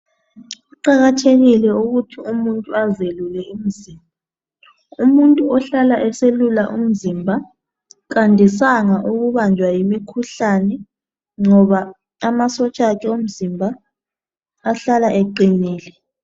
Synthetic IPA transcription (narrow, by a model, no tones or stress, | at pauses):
uǃaɣatʰeɣilɛuɣutʰiumuntʼuazelulɛum̩ziːmbʱa | umuntʼuɔɬalaʔɛselulaʔum̩zimbʱa | kandʱisaŋaʔuɣuβand͡ʒʱwajimikʰuɬanɛ | ŋɔβa | amasɔt͡ʃʼakʰɛom̩zimbʱa | ɬalaʔeǃiniːlɛ